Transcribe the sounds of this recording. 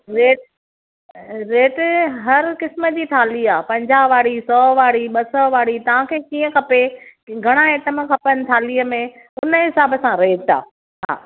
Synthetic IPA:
ɾeːʈ | ɾeːʈɦɐɾkɪsməd͡ʑiːt̪ʰaːliaːpɐ̃ɲd͡ʑaːʋaːɽisɔːʋaːɽiɓɐsɔːʋaːɽit̪ɐʋ̤ãkʰeːkiːə̃kʰɐpeɡʱɐɽ̃aeːʈəmẽkʰɐpənɪ̆t̪ʰaːliːəmẽ | ʊnəɦɪsaːbəsãɾeːʈa̰ː | ɦa̰ː

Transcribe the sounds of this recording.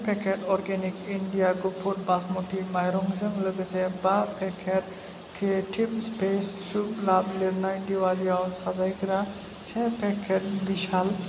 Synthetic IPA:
pɛkeʈɔɾɡɛnikiɳɖijaɡupʰuɾ̚basmoʈimajɾɔŋzəŋləɡəsɛbapʰɛkʰeʈ | kʰeʈʰip̚spesːuplabliɾnajdiwaliawsazajkɾa | sɛ̃pʰɛkʰeʈ̚biʃal

